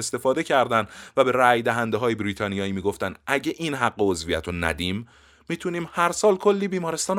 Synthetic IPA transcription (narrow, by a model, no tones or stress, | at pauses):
est̪e̞fɒːd̪e̞cʰæɾd̪ænd̪væbe̞ɾæjd̪æɦænd̪eɦɒːjebɾiːt̪ʰɒːnijɒːiːmiːɡo̞ft̪ænʔæɟeʔinɦæɡːeozvijæt̪ʰonæ̰d̪iːmː | iːt̪ʰuniːmhæɾsɒːlkʰo̞lːiːbiːmɒːɾest̪ɒːn